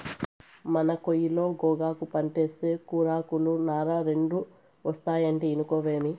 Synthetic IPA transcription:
mɐnɐkojilo̞ːɡɔːɡaːkupɐɳʈe̞ːst̪e̞ːkuːɾaːkulunaːɾaːɾe̞ɳɖu | ʋɐst̪aːjɐɳʈiːnukoːʋe̞ːmi

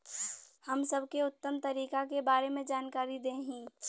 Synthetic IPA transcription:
həmsəbʱkeʊt̪ːəmt̪ɐɾiːkakebaːɾemẽd͡ʒaːnkaːɾid̪ẽɦĩː

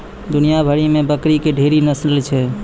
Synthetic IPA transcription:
d̪ʊnijabʱəɽimẽbəkɾikeɖʱeːɾinəslt͡ʃʰɛ

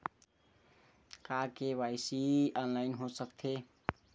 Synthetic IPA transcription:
kakewaɪsiɔnlaɪnɦosəkt̪ʰe

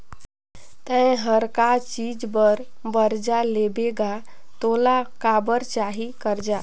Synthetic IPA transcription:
t̪ə̃ẽɦəɾkat͡ʃid͡ʒbəɾ | bəɾd͡ʒalebeɡa | t̪olakabəɾt͡ʃaɦikəɾd͡ʒa

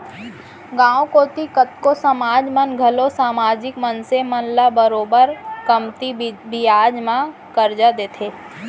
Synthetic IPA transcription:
ɡãːwõkoːt̪ikət̪kosəmaːd͡ʒmənɡʱəlosaːmaːd͡ʒɪkmənsemənlabəɾoːbəɾkəmt̪ibijaːd͡ʒmã | kəɾd͡ʒad̪eːt̪ʰeː

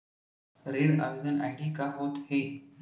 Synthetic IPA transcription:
ɾeɽa̰ʋed̪əna̰iɽiːkaɦot̪he

